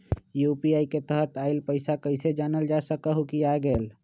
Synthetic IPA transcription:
jupiaiket̪əɦət̪aɪlpəɪsakəɪsed͡ʒanəld͡ʒasəkəɦukijaɡeːl

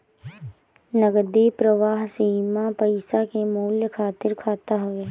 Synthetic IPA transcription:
nəɡəd̪eːpɾəʋaːɦsimapəɪsakemuːljəkʰaːt̪ɪɾkʰaːt̪aɦʊʋeː

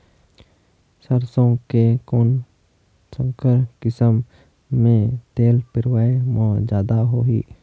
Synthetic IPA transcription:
səɾsõkekoːn | sə̃ŋkəɾkɪsəmː | ẽt̪eːlpɪɾwaːemɔ̃ːd͡ʒjaːd̪aɦoːɦḭː

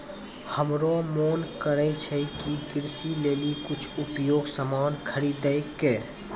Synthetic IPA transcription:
həmɾomoːnkəɾɛt͡ʃʰɛkikɪɾsileːlikʊt͡ʃʰʊpjoːɡsəmaːnkʰəɾid̪eːkːeː

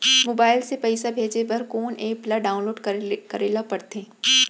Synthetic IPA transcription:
moːbaːɪlsepɛɪsabʱeːd͡ʒebɐɾkoːneːplaɖaːʊ̃nloːɖkɐɾeːlapɐɽt̪ẽː

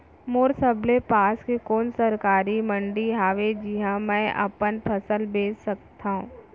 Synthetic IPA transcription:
moːɾsəblepaːskekoːnsɐɾkaːɾimə̃ɳɖiɦaːʋed͡ʒiɦãmɛ̃ːʔɐ̰pənpʰɐsəlbeːssɐk̚t̪ʰaɦṵ̃ː

